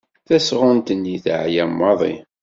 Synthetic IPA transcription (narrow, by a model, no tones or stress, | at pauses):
θæsʁʊnt̪ənːiθʕjæmːɑðˤḭ